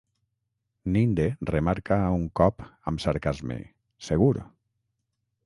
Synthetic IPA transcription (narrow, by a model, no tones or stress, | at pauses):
nind̪eremaɾkauŋkɔpəmsaɾkazmḛ | seɣuɾ